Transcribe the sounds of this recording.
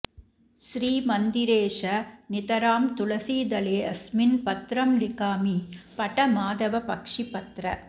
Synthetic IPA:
ʃɾiːmɐnd̪ɪɾeːʂɐnɪt̪ɐɾaːmt̪ʊɭɐsiːd̪ɐleːɐsmɪnpɐt̪ɾɐmlɪkaːmipɐʈɐmaːðɐʋɐpɐkʂipɐt̪ɾɐ̰

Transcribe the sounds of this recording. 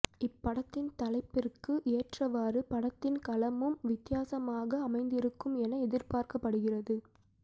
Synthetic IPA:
ɪpːɐɽɐt̪ːɪnt̪ɐlɐɪpːɪrkɯʔeːʈrɐʋaːrɯpɐɽɐt̪ːɪnkɐlɐmɯmʋɪt̪ːɪjaːsɐmaːɣɐːmɐɪnd̪ɪɾɯkːɯmɛnɐɛðɪrpaːɾkɐpːɐɽɯɣɪrɐðɯ

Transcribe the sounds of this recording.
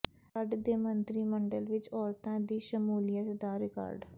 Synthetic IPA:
əɖd̪eːmənt̪ɾiːməɳɖəlʋɪt͡ʃɔːɾt̪ãːd̪iːʃəmuːlɪjət̪d̪aːɾɪka̰ːɾɖ

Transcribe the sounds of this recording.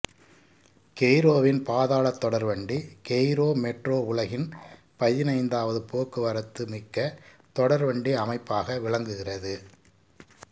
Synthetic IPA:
kɛjɾoːʋɪnpaːðaːɭɐt̪ːɔɽɐɾʋɐɳɖikɛjɾoːmɛʈroːʊɭɐɣɪn | pɐjːɪnɐɪnd̪aːʋɐðɯpoːkːɯʋɐɾɐt̪ːɯmɪkːɐ | t̪ɔɽɐɾʋɐɳɖiɐmɐɪpːaːɣɐʋɪɭɐŋɡɯɣɪrɐðɯ

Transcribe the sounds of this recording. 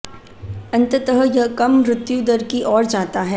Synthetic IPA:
ɐ̃nt̪ət̪əɦəjɐɦkɐmɾɪt̪jũd̪əɾkiʔɔːɾd͡ʒaːt̪aɦɛː

